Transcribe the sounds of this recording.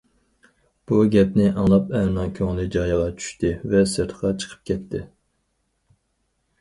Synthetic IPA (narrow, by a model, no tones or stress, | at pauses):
b̥uɡʲɛp̚nɪʔɑŋlˠɑpɛnɑŋkʲʰøŋlɪd͡ʒɑjəʁɑt͡ʃʰy̥ʃt̪ʰɪvɛsɨɾt̪ʰəqɑt͡ʃʰə̥qʰə̥p̚kʲɛt̪ʰːɪ